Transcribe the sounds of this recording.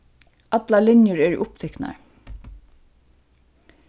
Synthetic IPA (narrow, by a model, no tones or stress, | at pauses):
at̪lalɪnjəɹɛːɹ̰ʔʊpt̪ʰɛkna̰ɹ